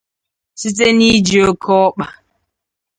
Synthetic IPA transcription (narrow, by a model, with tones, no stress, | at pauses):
si˦t̬e˦ni˦d͡ʒi˨o˦kʰɔ˦k͡pa˨